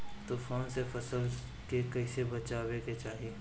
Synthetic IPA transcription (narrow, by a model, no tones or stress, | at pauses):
t̪ofoːnsefɐsəl | kekɐisebɐt͡ʃaːweket͡ʃaːɦie